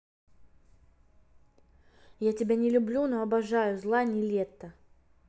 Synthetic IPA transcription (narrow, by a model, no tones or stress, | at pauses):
jatʲɪbʲanʲɪlʲʊblʲunoɐbɐʐajʊzlˠanʲɪlʲet̪ːə